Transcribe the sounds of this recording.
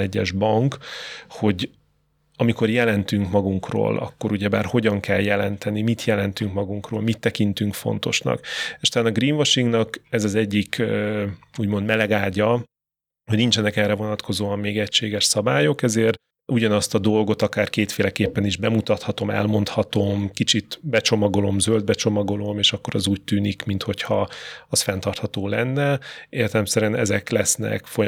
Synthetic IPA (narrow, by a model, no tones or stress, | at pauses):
ɛɟːɛʒbɒŋkho̞ɟ | ɒmiko̞rjɛlɛnt̪yŋkmɒɡuŋkro̰ːlɒ̰kːo̞ɾuɟɛbaːrho̞ɟɒŋkɛljɛlɛnt̪ɛnimit̪jɛlɛnt̪yŋkmɒɡuŋkro̰ːlmit̪ːɛkint̪yŋkfo̞̰n̪t̪o̞ʃnɒ̰keʃu̥t̪laːnɒɡriːnvɒʃiŋɡnɒkɛzɒzɛɟːik | uːɟmo̞nd̪mɛlɛɡaːɟɒ | hoɟnint͡ʃɛnɛkɛrɛvo̞nɒt̪ko̞zoːɒmːeːɡɛcʃeːɡɛʃsɒbaːjo̞kɛzeːr | ʔuɟɒnɒst̪ɒd̪o̞lɡo̞t̪ɒkaːrkeːt̪feːlɛkeːpːɛniʒbɛmut̪ɒt̪hɒt̪o̞mɛ̰lmo̞nt̪hɒt̪o̞mkit͡ʃit̪bɛt͡ʃo̞mɒɡo̞lo̞mzøld̪̚bɛt͡ʃo̞mɒɡo̞lo̞meːʃɒkːoɾɒzuːc̚t̪yːnikmint̪ho̞chɒɒsfɛnt̪ɒrt̪hɒt̪oːlɛnːɛeːrt̪ɛlɛmsɛɾɛnɛzɛklɛsnɛ̰kfo̞j